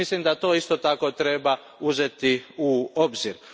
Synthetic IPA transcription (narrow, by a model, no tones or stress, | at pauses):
islimd̪at̪o̞ːist̪ot̪ako̞t̪ɾe̞ba | uze̞t̪iuobziɾ